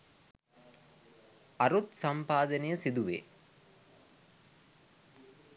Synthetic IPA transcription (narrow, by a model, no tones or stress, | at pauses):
aɾut̪sampaːd̪ənejəsid̪uʋḛː